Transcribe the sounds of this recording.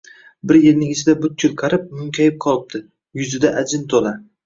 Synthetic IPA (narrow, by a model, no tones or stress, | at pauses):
bɪɾje̞ɾnɪŋɪt͡ʃʰɪd̪abʊt̪̚kʰʲʊlˠqʰɑɾɪp̚mʊŋkʲʰajɪp̚qʰɒlˠɪp̚d̪̥ʰɪ | jʊzɪd̪aʔad͡ʒɪnt̪ʰola